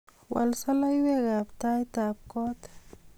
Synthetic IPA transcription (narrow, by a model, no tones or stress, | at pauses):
wa̰lsalajweɣapt̪ajt̪ap̚kot̪